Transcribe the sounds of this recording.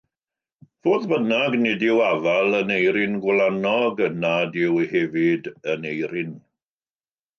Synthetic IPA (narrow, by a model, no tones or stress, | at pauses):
v̥oːðbənaɡnɪdɪwavalˠənejɾɪnɡwlˠanɔɡənadɪwhɛvɪdənejɾɪn